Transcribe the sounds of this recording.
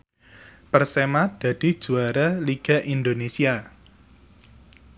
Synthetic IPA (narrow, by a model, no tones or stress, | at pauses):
pərsemad̪̥a̤d̥i̤d̥ʒ̥uaɾaliɡ̥a̤ʔind̪onesia